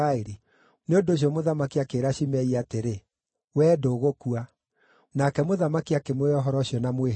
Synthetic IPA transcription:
aeɾi | neondoɕ̬iɔmoðamakiakeːɾaɕimɛiateɾe | wɛːdoɣokua | nakɛmoðamakiakemeɔɦɔɾɔɕjɔnamwe

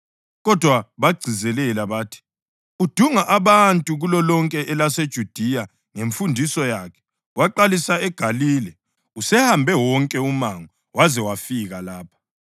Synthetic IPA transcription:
ɣɔd̥ʱwaβaɡ͡ǀʱizɛlɛlaβaːtʰi̥ | ud̥ʱuŋaʔaβantʼuɣulɔlɔŋkʼɛʔɛlased̥ʒ̥ʱud̥ʱija | ŋeɱfundʱisɔjaːkʰɛ̥ | waǃalisaɛɡ̥ʱaliːlɛ | usɛhambʱɛwɔŋkʼɛumaŋɔ | wazɛwafiɣalaːpʰḁ

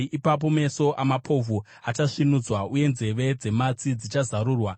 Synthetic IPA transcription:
ʔipap̬o̞me̞so̞ʔamapʰo̞vʱu | at͡ʃaʂinud͡zwauje̞nze̞ʋe̞d͡ze̞mat͡sid͡zit͡ʃazaɾuːrwa

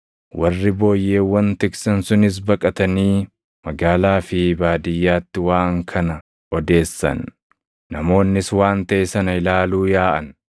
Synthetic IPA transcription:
wɐrːɪbo̞ːjːe̞ːwːɐnt̪ɪksɐnsʊnɪs̬bɐkʼɐt̪ɐniː | mɐɡaːlaːfɪbaːd̪ɪjːaːt̪ːɪwaːŋkʰɐnɐ | ɔd̪e̞ːsːɐ̰nː | ɐmo̞ːnːɪswaːnt̪ɐʔɛsɐnɐɪlaːluːjaːʔɐn

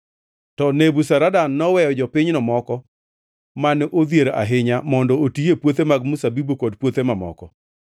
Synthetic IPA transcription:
tɔnebusaɾadanːɔwɛjɔd͡ʒɔpɪɲnɔmɔkɔ | manʔod̪jeɾa̰ɦɪɲamɔndɔotijepwot̪emaɡ̚musabibokodpwot̪emamɔ̰kɔ

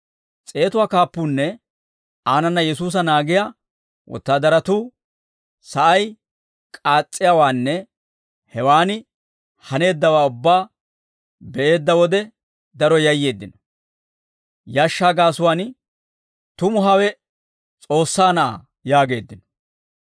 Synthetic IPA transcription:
t͡sʼe̞ːt̪ʊwaːkaːpːuːnːɛ | aːnɐnːɐjɛsuːs̬ɐnaːɡɪja | wɔ̰t̪ːaːd̪ɐɾɐt̪uː | sɐʔɐj | kʼaːt͡sʼːɪjawaːnːɛ | hɛwaːnɪ | hɐne̞ːd̪ːɐwaːʊbːaː | bɛʔe̞ːd̪ːɐwɔd̪ɛ | d̪ɐɾɔjɐjːe̞ːd̪ːɪnɔ̥ | jaːʃːaːɡaːsʊwaːn | t̪ʊmʊɦɐwɛ | t͡sʼo̞ːsːaːnɐʔa̰ | jaːɡe̞ːd̪ːɪnɔ̥

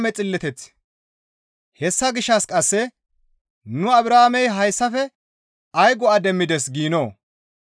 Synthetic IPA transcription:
mɛt͡sʼɪlːɛt̪ɛt͡s | hɛsːɐɡɪʃːɐskʼɐsːɛ | nʊɐbɾaːmɛjɦɐjsːɐfɛ | ɐjɡɔɐd̪ɛmːɪd̪ɛs̬ɡiːnoː

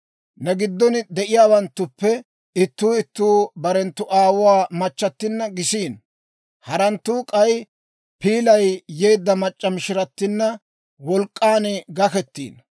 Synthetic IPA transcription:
nɛɡɪd̪ːɔnd̪ɛʔɪjaːwɐnt̪ːʊpːɛ | ɪt̪ːuːɪt̪ːuːbɐɾɛnt̪ːʊʔaːwʊwaːmɐt͡ʃːɐt̪ːɪnːɐɡɪsiːn | hɐɾɐnt̪ːuːkʼɐj | piːlɐjjeːd̪ːɐmɐt͡ʃʼːɐmɪʃɪɾɐt̪ːɪnːɐ | wɔlkʼːaːnɡɐkɛt̪ːḭːn

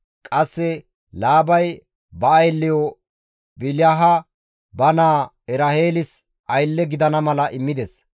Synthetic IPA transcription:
kʼɐsːɛ | laːbɐj | bɐːjlːɪjɔ | bɪljaɦɐ | bɐnaː | ɛɾɐheːlɪs | ʔɐjlːɛɡɪd̪ɐnɐmɐlɐʔɪmːɪd̪ɛs

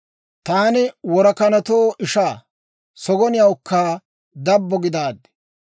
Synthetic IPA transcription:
t̪aːnɪwɔɾɐkɐnɐt̪oːʔɪʃaː | sɔɡɔnɪjɐwʊkːaː | d̪ɐbːɔɡɪd̪aːd̪ɛ̥

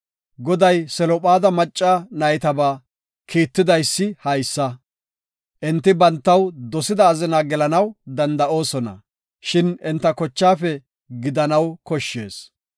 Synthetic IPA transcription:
ɡɔd̪ɐjsɛlɔpʼaːd̪ɐmɐt͡ʃʼːaːnɐjt̪ɐbaː | kiːt̪ːɪd̪ɐjsːɪhɐjsːɐ | ʔɛnt̪ːɪbɐnt̪ːɐwd̪ɔsɪd̪ɐːzɪnaɡɛlɐnɐwd̪ɐnd̪ɐʔo̞ːsɔnɐ̰ | ʃɪnɪnt̪ːɐkɔt͡ʃːaːfɛ | ɡɪd̪ɐnɐwkɔʃːe̞̰ːs

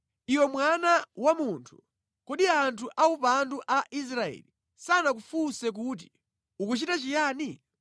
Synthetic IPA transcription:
iwɔmwanawamuntʰu̥ | kɔɗiantʰuʔaupanduʔaʔis̬ɾaɛ̰ːli | sanak̬ufusɛk̬ut̬i̥ | ukut͡ʃitat͡ʃijaːni

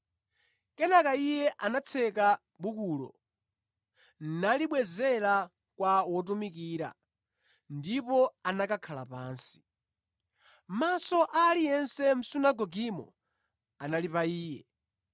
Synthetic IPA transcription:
kɛnakaijɛʔanat͡sʰɛka | ɓukulɔ̰ | nnaliɓwɛzɛla | kwawɔt̬umikiːɾa̰ | ndipɔanakakʰalapaːnsi̥ | masɔʔalijɛnsɛm̩sunaɡɔɡimɔ̰ | analipaiːjɛ

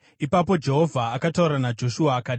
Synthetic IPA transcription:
ipapo̞d͡ʒe̞ɦo̞vʱaːkatauɾanad͡ʒo̞ʃuaːkaːɗi

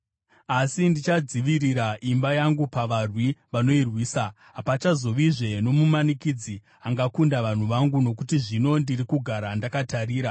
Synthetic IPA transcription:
asindit͡ʃad͡ziʋiriɾaʔimbajaŋɡupaʋarwiʋano̞irwiːsa | ɦapat͡ʃazo̞ʋiʐe̞no̞mumanikid͡zi | aŋɡakundaʋan̤uʋaŋɡuno̞kutiʐino̞ndirikuɡʱaɾandakatariːɾa

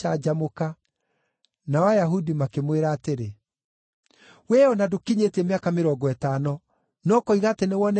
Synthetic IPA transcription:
ad͡ʒamoka | nawajaɦudimakemweɾaːteɾe | wɛɔnadokiɲetɛmeakameɾɔɡɔɛtanɔ | nɔkɔiɣaːtenewɔnɛ

